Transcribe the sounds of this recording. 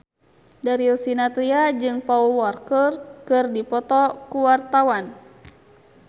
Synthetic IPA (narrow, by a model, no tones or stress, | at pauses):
daɾiusinat̪ɾiad͡ʒɨŋpauwɔrkərkɨrdipɔt̪ɔkuwart̪awan